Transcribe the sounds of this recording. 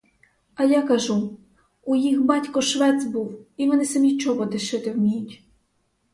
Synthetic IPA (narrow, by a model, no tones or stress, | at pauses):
ɐjakɐʒu | ujixbɑtʲkɔʃʋɛt͡s̪ʲbuwimɛnɛsɐmʲit͡ʃɔɦɔd̪ɪʃɪt̪ɪwmʲijutʲ